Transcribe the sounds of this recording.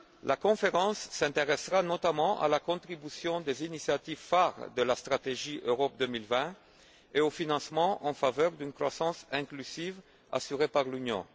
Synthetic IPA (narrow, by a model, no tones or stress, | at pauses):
lʔakɔ̃feʁɑ̃sːɛ̃t̪eʁɛsʁanɔt̪amɑ̃ʔa̰lakɔ̃t̪χibysjɔ̃d̪ezinisjat̪ivfaʁd̪əlast̪χat̪eʒiʔøʁɔp̚d̪əmilvɛ̃ | eofinɑ̃smɑ̃ʔɑ̃favœʁd̪ynkχwasɑ̃sɛ̃klyziv | a̰syʁepaʁlynjɔ̰̃